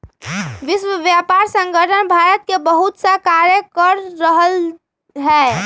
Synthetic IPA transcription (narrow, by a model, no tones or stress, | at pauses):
ʋɪswəʋjapaɾsə̃ŋɡəʈʰənbʱaɾət̪kebəɦut̪sakaɾjəkəɾːəɦəl | ɦɛː